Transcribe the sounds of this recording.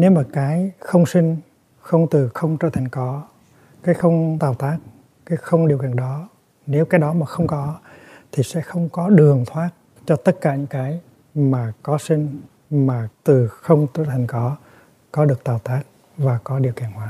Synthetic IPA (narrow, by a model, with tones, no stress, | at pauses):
ne˨˦wmaː˨˩kaː˨˦jxə˧wŋ͡msi˧ŋ̟ | xə˧wŋ͡mt̪ɨ˨˩xə˧wŋ͡mt͡ɕəː˧˩t̪ʰa˨˩jŋ̟kɔ˨˦ | kaː˨˦jxə˧wŋ͡mt̪aː˨˩wt̪aː˦˥t̚ | kaː˨˦jxə˧wŋ͡mɗi˨˩əwki˧˨˩ənɗɔ˨˦ | ne˨˦wkaː˨˦jɗɔ˨˦maː˨˩xə˧wŋ͡mkɔ˨˦t̪ʰi˨˩sɛ̰˧˥xə˧wŋ͡mkɔ˨˦ɗɨ˨˩əŋt̪ʰwaː˦˥t̚ | t͡ɕɔ˧t̪ə˦˥t̚kaː˧˩ɲɨ̰˧˥ŋkaː˨˦j | maː˨˩kɔ˨˦sï˧ŋ̟ | maː˨˩t̪ɨ˨˩xə˧wŋ͡mt͡ɕəː˧˩t̪ʰa˨˩jŋ̟kɔ˨˦ | kɔ˨˦ɗɨ˨˩ək̚t̪aː˨˩wt̪aː˦˥t̚ | vaː˨˩kɔ˨˦ɗi˨˩əwkḭ˧˩ənhwaː˨˦